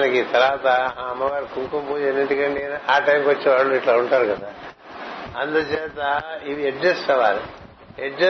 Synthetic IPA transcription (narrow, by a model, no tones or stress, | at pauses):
nɐkit̪ɐlaːt̪ɐãɐmɐʋaːɾkuŋkompuːd͡ʒenːiɳʈikɐɳɖienʔaːʈɐjmkʋɐt͡ʃːeʋaːɭːoiʈlɐuɳʈaːɾukɐd̪aː | ɐnt̪ɐt͡ʃeːt̪ɐiʋieɖd͡ʒɐsʈɐʋaːɾ | eɖɾɐ